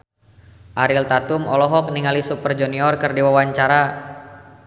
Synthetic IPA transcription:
ʔaɾilt̪at̪umɔlɔɦɔk̚niŋalisupərd͡ʒuniɔrkɨrdiwawaɲt͡ʃaɾa

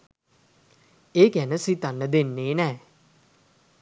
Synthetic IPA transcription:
eːkænəsit̪anːəd̪enːeːnɛː

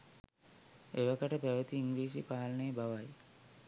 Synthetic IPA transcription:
eʋakəʈəpæʋət̪iːŋɡliːs̬ipaːlənejːbaʋaj

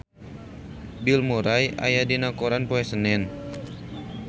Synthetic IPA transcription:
bilmoɾaja̰jadinakoɾanpoɛsənɛn

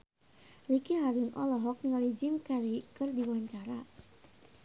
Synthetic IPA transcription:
rikiɦaɾunʔɔ̰lɔɦɔk̚nŋalid͡ʒimkaɾikɨrdiwaɲt͡ʃaɾa

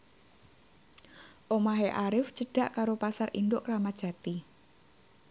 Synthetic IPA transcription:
ʔomaɦeʔaɾɪfd͡ʒ̥əɖ̥a̤ʔkaɾopasarʔḭnd̪ʊʔramḁʒ̥a̤t̪i

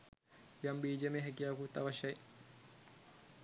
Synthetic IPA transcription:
jambiːd͡ʒemeɦɛk̬ijaːkut̪ːɐʋɐʃɐji

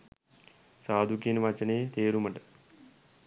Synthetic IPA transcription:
saːd̪ʱukinʋat͡ʃɐneːt̪eːɾumɐɳʈɨ

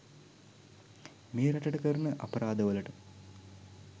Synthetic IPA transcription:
meːɾɐʈɐʈəkɐɾnəʔɐ̰pɐɾaːd̪ɐʋɐlɐʈə

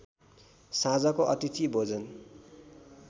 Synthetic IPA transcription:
sãd͡zakoʔʌt̪it̪ʰibʱod͡zʌn

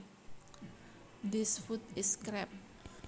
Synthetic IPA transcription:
dɪsfut̪ɪskɾɛp̚

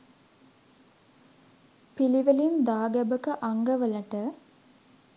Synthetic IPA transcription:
piliʋɐlind̪aːɡɐbəkəʔaŋɡɐʋəlɐʈə

